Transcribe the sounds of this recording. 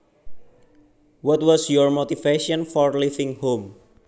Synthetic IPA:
wɔt̪wɔsjɔɹmot̪ifeʃɔ̃nfɔɹlifɪ̃ŋhom

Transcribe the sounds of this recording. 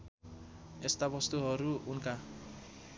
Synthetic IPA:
est̪apɔst̪uɦɔɾuunka

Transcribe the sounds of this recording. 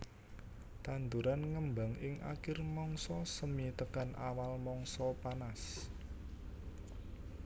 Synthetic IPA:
t̪and̪uɾanŋəmba̤ŋɪŋa̰kɪrmɔŋsɔsəmit̪əkanʔawalmɔŋsɔpanas

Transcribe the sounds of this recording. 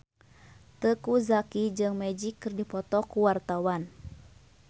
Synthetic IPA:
t̪əkuzakid͡ʒɨŋmɛd͡ʒikːɨrdipɔt̪ɔkuwart̪awan

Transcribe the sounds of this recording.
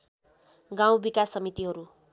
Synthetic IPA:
ɡãw̃bikasːʌmit̪iɦʌɾu

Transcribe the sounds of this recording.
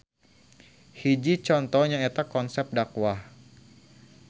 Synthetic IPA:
hid͡ʒit͡ʃɔnt̪ɔhɲaet̪akɔnsɛp̚dakwa

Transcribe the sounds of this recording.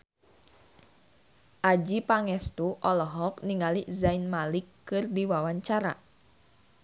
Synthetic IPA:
ʔad͡ʒipaŋɛst̪uʔɔlɔɦɔkniŋalizainmalikːɨrdiwawaɲt͡ʃaɾa̰

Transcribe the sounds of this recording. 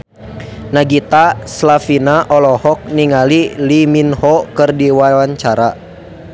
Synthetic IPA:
naɡit̪aslafinaʔɔlɔhɔk̚niŋaliliminhɔkɨrdiwawaɲt͡ʃaɾa

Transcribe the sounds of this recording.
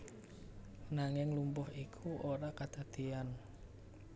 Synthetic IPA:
naŋɪŋlumpʊhikʰuʔoɾakad̪̥a̤d̪̥ian

